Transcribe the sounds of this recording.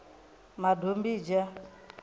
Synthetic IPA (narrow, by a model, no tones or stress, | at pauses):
madombid͡ʒa